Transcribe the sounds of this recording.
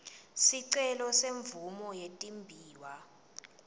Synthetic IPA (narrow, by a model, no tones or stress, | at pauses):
siǀɛlɔseɱvumɔjetʼimbʱiːwa